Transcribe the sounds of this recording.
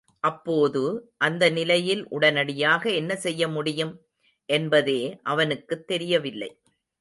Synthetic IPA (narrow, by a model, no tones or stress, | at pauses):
ʔɐpːoːðɯʔɐnd̪ɐnɪlɐjɪlʔʊɽɐnɐɽɪjaːɣɐɛnːɐsɛjːɐmʊɽɪjɯm | ʔɛnbɐðeːʔɐʋɐnɯkːɯt̪ːɛɾɪjɐʋɪlːɐ̰ɪ